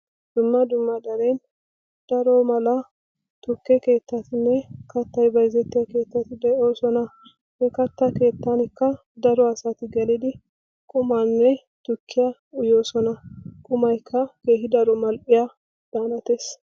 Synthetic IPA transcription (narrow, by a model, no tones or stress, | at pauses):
d̪̥ʊmːɐd̪ʊmːɐd̪ɐɾe̞ːn | d̪̥ɐɾo̞ːmɐlɐ | t̪ʊkːɛke̞ːt̪ːɐt̪ɪnːɛkɐt̪ːɐjbɐjzɛt̪ːɪjɐke̞ːt̪ːɐt̪ːɪd̪ɛʔoːsɔnɐ | hekɐt̪ːɐke̞ːt̪ːɐnɪkːɐ | d̪ɐɾɔɐsat̪ɪɡɐlɪd̪ɪ | kʼʊmanːɛ | t̪ʊkʰːɪjɐ | ʊjoːsɔnɐkʼʊmɐjɪkʰːɐkeːhɪd̪ɐɾɔmɐlpʼɪja | d̪̥aːnɐt̪eːs